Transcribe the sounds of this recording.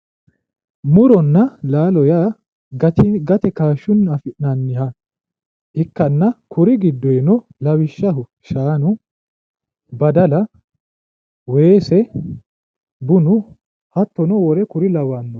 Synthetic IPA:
mʊɾɔnːɐlaːlɔja | ɡɐt̪ɛkaːʃːʊnːɐfɪʔnɐnːɪhɐ | ʔɪkːɐnːɐkʊɾɪɡɪd̪ːɔɛnɔlɐwɪʃːɐɦʊ | ʃaːnʊ | bɐd̪ɐlɐ | weːsɛ | bʊnʊ | hɐt̪ːɔnɔwɔɾɛkʊɾɪlɐwaːnːɔ

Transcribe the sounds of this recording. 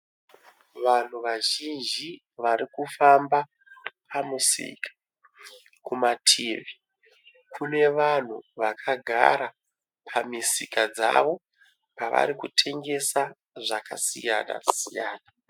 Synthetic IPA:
ʋan̤uʋaʒind͡ʒi | ʋaɾikufamba | pʰamusḭkʰḁ | kumatʰiːʋi | kʰune̞ʋan̤uʋakʰaɡʱa̰ɾa | pʰamisikad͡za̰ʋo̞ | paʋa̰ɾikutʰe̞ŋɡe̞sa | ʐaka̰sijana̰sijaːna

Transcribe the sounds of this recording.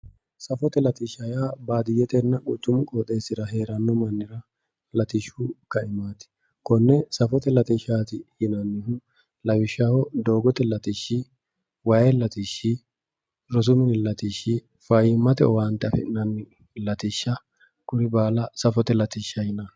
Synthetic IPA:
sɐfɔt̪ɛlɐt̪ɪʃɐjaːbaːd̪ɪjɛt̪ɛnːɐʔʊt̪ːʊmʊkʼɔːt̪ʼe̞ːsɪɾɐɦe̞ːɾɐnːɔmɐnːɪɾɐ | lɐt̪ɪʃukɐɪmaːt̪ɪ̥ | kɔnːɛsɐfɔt̪ɛlɐt̪ɪʃaːt̪ɪhɪnɐnːɪɦʊ | lɐwɪʃːahɔd̪o̞ːɡɔt̪ɛlɐt̪ɪʃːɪ | wɐjɛlɐt̪iʃːi | ɾɔs̬ʊmɪnɪlɐt̪iʃːɪ | fɐjɪmːɐt̪ɛ̰ɔwaːnt̪ːɛɐfɛ̰ɪnɐnːɪ | lɐt̪ɪʃːɐ | kʊɾɪbaːlɐsɐfɔt̪ɛlɐt̪ɪʃːɐjɪnɐ

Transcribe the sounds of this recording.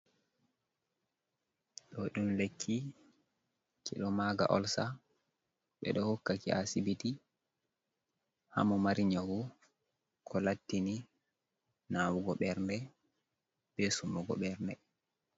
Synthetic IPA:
ɗɔɗumlekʰːi | kiɗɔmaɡa̰ʔɔlsa | ɓɛ̰ɗɔhokːakiʔasibiti | ha̰mɔmaɾiɲawu | kʰɔlatːini | nawuɡɔɓɛɾndɛ | b̥esumɔɡɔ̰ɓɛɾndɛ

